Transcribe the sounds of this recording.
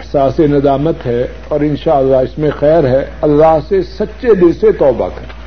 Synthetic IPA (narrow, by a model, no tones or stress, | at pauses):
ɪhsaːsenɐd̪aːmət̪ɦɛ | ɔːɾɪ̃nʃaːəlːaɦɪsmẽxɛːɾɦɛɐlːaːɦsesɐtːʃed̪ɪnset̪ɔːba̰kɐɾ